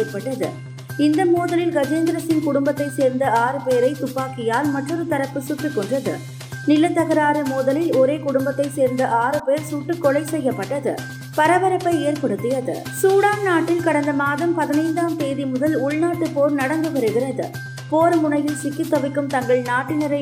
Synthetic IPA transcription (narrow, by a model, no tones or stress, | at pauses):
eːɾpɐʈːɐðɯ̰ | ɪnd̪ɐmuːðɐlɪlɡɐd͡ʒeːnd̪ɪɾɐsɪnkʊɽʊmbɐt̪ːɐɪseːɾnd̪ɐaːɾɯpeːɾɐɪt̪ʊpːaːkɪjaːlmɐʈrɔɾɯt̪ɐɾɐpːɯsuːʈrɯkːɔɳdrɐðɯ̰ | nɪlːɐt̪ːɐɣɐɾaːɾɯmuːðɐlɪlɔɾeːkʊɽʊmbɐt̪ːɐɪseːɾnd̪ɐʔaːɾɯpeːɾsuːʈːɯkːɔɭɐɪsɛjɐpːɐʈːɐðɯ̰ | pɐɾɐʋɐɾɐpːɐɪeːɾpɐɽɯt̪ːɯjɐðɯ̰ | suːɽaːnnaːʈːɪlkɐɽɐnd̪ɐmaːðɐmpɐðɪnɐɪnd̪aːmt̪eːðimʊðɐlʊɭnaːʈːɯpoːɾnɐɽɐndɡ̪ɯɣɐɾɯɣɪɾɐðɯ̰ | poːɾmʊɳɐjɪlsɪkːɪt̪ːɐʋɪkːɯmt̪ɐŋɡɐɭnaːʈːɪnɪɾɐɪ